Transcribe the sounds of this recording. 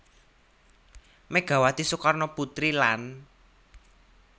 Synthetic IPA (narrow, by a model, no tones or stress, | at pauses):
meɡ̥ä̤wat̪isukarnɔput̪ɾilan